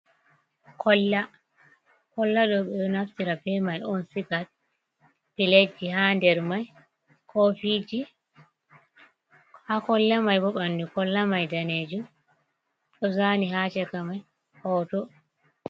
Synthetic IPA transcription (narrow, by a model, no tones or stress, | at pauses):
kʰɔlːa | kɔlːaɗɔɓɛɗɔnaftiɾapɛmajɔnsikat̚ | piled͡ʒːihandɛɾmaj | kʰofid͡ʒi | hakɔlːamajbɔɓanːdikɔlːamajdaneːd͡ʒu | ɗɔzaniɦat͡ʃɛkamaj | hɔːtɔ